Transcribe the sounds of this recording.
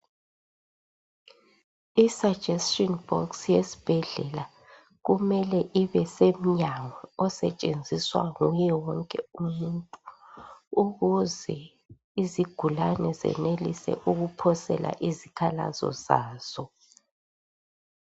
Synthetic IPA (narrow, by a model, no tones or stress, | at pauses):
isḁd͡ʒ̥ʱɛstʼɔnb̥ɔksjesi̥b̥ʱɛɮɛla | ɣumɛlɛʔiβɛsem̩ɲaŋɔɔsɛt͡ʃʼend͡zʱiswa̰ŋujɛwɔŋkʼɛumuntʼu | uɣuzɛ | iziɡ̥ʱulanɛzɛ̰nelisɛ̰ʔuɣupʰɔsɛlʔa̰ʔizikʰala̰zɔ̰zaːz̥ɔ